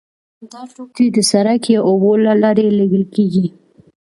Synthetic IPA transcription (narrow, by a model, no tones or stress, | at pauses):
d̪ɑʂok̚t̪ed̪əsaɾakjɑʔobolalɑɾeleɡəlkeɡi